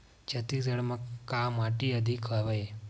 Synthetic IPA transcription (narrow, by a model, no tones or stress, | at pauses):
d͡ʒət̪izəɽmãkamaʈiəd̪ʱikʰʋaʋae